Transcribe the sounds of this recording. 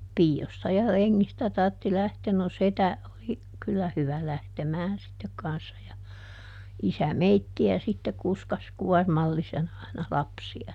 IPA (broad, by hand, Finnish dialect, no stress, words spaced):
piːostɑ jɑ reŋːistæ tɑrtːi læhteːn no setæ oli kylːæ hyʋæ læhtemæːn sitːek kɑnsːɑ jɑ isæ meitːiæ sitːe kuskɑs kuɔrmɑlːisen ɑi̯nɑ lɑpsiɑ